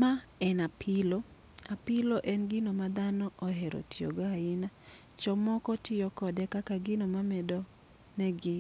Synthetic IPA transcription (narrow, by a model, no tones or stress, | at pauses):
maɛnapʰɪlo | apɪloʔɛnɡɪnomad̪anɔɔɦɛɾo̰tɪo̰ɡoaɪna | t͡ʃɔmɔkɔtɪjɔkɔdɛkakaɡɪnomamɛdɔ | nɛɡɪ